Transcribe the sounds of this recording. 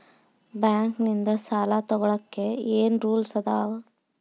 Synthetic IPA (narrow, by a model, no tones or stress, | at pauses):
bjaːŋknind̪ɐsaːlaːt̪ɔɡɐɭɐkːe̞eːnɾuːlsɐd̪aːʋ